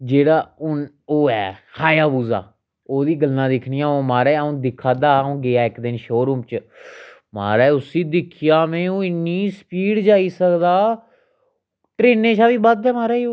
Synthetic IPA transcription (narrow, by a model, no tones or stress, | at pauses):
d͡ʒeːɽaːʊn | oːɛːkʰaːjaːbuːza̰ː | oːd̪iːɡəlnãːd̪ɪkʰnɪjãːoːmaːɾɛːõːd̪ɪkʰːaːd̪aːõːɡɪaːɪkd̪ɪnʃoːɾuːmt͡ʃ | ma̰ːɾɛːʊsĩːd̪ɪkʰɪjaːmɛ̃ːõːɪnːiːsəpiːɽd͡ʒaːiːsəkd̪aː | ʈɾeːneːt͡ʃʰaːʋiːbad̪ɛːmaːɾaːioː